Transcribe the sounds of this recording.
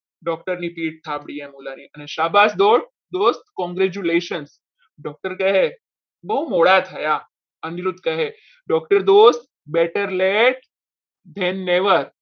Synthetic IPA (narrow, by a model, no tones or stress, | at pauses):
ɖɔk̚ʈəɾnipiʈ̚sʰabɽiẽmulaniʔəneʃabasd̪oʈ̚ | d̪ost̪kɔ̃ŋɡɾed͡ʒuleʃəns | ɖɔk̚ʈəɾkəɦe | bəɦumoɭat̪ʰəja | əniɾud̪kəɦe | ɖɔk̚ʈəɾd̪ost̪ | beʈəɾleʈ̚ | d̪ʱɛnːeʋəɾ